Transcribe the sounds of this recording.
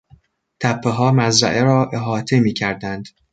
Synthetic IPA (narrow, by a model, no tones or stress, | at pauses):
t̪ʰæpʰːeɦɒːmæzɾæ̰ʔeɾɒːʔeɦɒːt̪ʰemiːcʰæɾd̪ænd̪̥